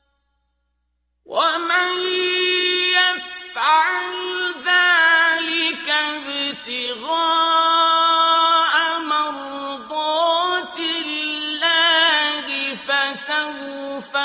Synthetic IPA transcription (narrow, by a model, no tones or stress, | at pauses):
wʔaman | jafʕaʕlðaːlɪkabɪt̪ɪɣɑː | ʔamɪɾ | d̪ˤɑːt̪ɪlːaːhɪfasaw | fa